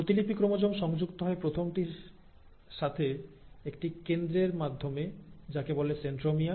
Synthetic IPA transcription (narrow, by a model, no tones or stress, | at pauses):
ɾot̪ilipikɾomod͡ʑomʃɔŋd͡ʑukt̪oɦɔepɾot̪ʰomʈiɾ | ʃat̪ʰe | ekʈikend̪ɾeɾmad̪ʱːomed͡ʑakeboleseɳʈɾomia